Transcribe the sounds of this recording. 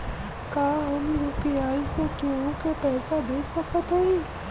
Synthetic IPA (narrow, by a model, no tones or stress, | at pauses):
kaːɦɐmɾuːpijaːisekeõkepɛːsad̪eːkʰsɐkət̪ɦoi